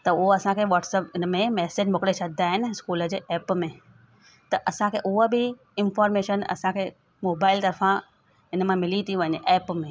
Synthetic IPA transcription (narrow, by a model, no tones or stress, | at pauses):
t̪ɐʊɦoɐsãkʰeʋɔːʈsəpɪnəmẽmɛːsed͡ʑmʊkɽet͡ʃɐd̪ʱaːɦɪnɪskuːləd͡ʑeːʔɛːpmẽ | t̪ɐʔɐsãkʰeʔʊɦobʱi | ɪnfɔːɾmeːʃənɐ̰sãkʰe | moːbaːɪlt̪ɐɾfã | ɪnəmãmɪlit̪ʰiʋəniʔɛːpmẽ